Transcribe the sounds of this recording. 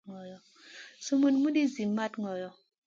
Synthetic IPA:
ŋɔ˨jɔ˨ | so˦mo˨nmu˦di˦zi˨mːa˦tŋɔ˨jɔ˨

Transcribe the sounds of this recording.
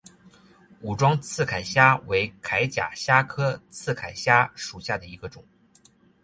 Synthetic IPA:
u˨˩ʈ͡ʂwɑ˥ŋt͡sʰɹ̩˥˩kʰa˨˩ɪɕja˥we˧˥ɪkʰa˧˥ɪt͡ɕja̰˨˩ɕja˥kʰɤ˥t͡sʰɹ̩˥˩kʰa˨˩ɪɕja˥ʂu˨˩ɕja˥˩d̪ə˩i˧˥ɡə˧ʈ͡ʂʊ˨˩˦ŋ

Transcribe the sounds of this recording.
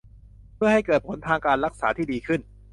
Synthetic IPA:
pʰɯ˥˩ha˥˩jkɤː˨˩t̪̚pʰo˩˦nt̪ʰaː˧ŋkaː˧nɾa˦˥k̚saː˩˦t̪ʰiː˥˩diː˧kʰɯ˥˩n

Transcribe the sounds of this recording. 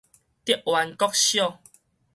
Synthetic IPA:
t̪i˦ʔwa˨˦nkɔ˦k̚ɕjɔ˥˨

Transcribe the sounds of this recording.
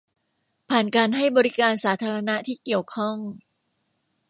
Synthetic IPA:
pʰaː˨˩nkaː˧nɦa˥˩jbɔː˧ɾi˦˥kaː˧nsaː˩˦˥t̪ʰaː˧ɾa˧na˦˥ʔt̪ʰiː˥˩ki˨˩əwkʰɔ˥˩ŋ

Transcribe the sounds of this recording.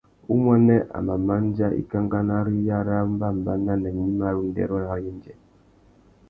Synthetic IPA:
u˦mwa˦nɛ˦ʔa̰˨ma˨ma˦n˦d͡ʒa˦ḭ˦ka˦ŋɡa˦na˦ɾi˦ja˦ɾa˦m̩˦ba˦m̩˨ba˦na˦nɛ˨mi˦ma˦ɾu˦n˦dɛ̰˦ɾɔ˦na˨ɾjɛ˦n˦d͡ʒɛ˨

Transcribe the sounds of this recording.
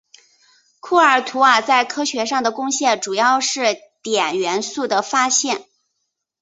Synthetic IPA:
kʰu˥˩ə˞˨˩t̪ʰu˧˥a˧˩t͡sa˥˩ɪkʰɤ˥ɕɥɛ˧˥ʂɑ˥˩ŋd̪ə˩kʊ˥ŋɕjɛ˥˩nʈ͡ʂu˨˩jɑ˥˧ʊʂɻ̩˥˩t̪jɛ˨˩nɥɛ˧˥nsu˥˩d̪ə˩fa˥ɕjɛ˥˩n

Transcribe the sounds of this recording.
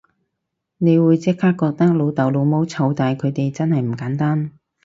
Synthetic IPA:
ne˨˧jwuː˨˧jt͡sɪ˥kʰːaː˥kːɔː˧k̚t̪ɐ˥k̚lo˨˧wt̪ɐ˨˩wlo˨˧wmo˥wt͡sʰɐ˧wt̪aː˨jkʰɵ˨˧ɥt̪e˨jt͡sɐ˥nhɐ˨jm̩˨˩kaː˨˥nt̪aː˥n

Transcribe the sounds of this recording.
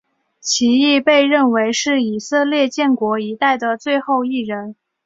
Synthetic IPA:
t͡ɕʰi˧˥i˥˧pe˥˧ɪɻə˥˩nwe˧˥ɪʂɻ̩˥˩i˨˩sɤ˥˧ljɛ˥˧t͡ɕjɛ˥˩nkwɔ˧˥i˧˥t̪a˥˩ɪd̪ə˩t͡swe˥˧ɪxo˥˧ʊi˥˩ɻə˧˥n

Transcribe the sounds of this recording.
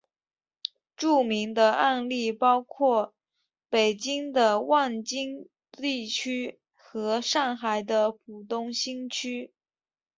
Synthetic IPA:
ʈ͡ʂu˥˩mi˧˥ŋd̪ə˧ʔa˥˧nli˥˩pɑ˥ʊkʰwɔ˥˩ | pe˨˩ɪt͡ɕi˥ŋd̪ə˧wa˥˩nt͡ɕi˥ŋ | t̪i˥˩t͡ɕʰy˥ | xɤ˧˥ʂɑ˥˩ŋxa˨˩ɪd̪ə˧pʰu˨˩t̪ʊ˥˧ŋɕi˥ŋt͡ɕʰy˥

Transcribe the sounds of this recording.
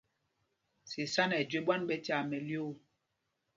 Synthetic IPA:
si˨sa˦nɛ˨d͡ʒwe˦ɓwa˦nɓɛ˦ta˨mɛ˨ljo˦˨

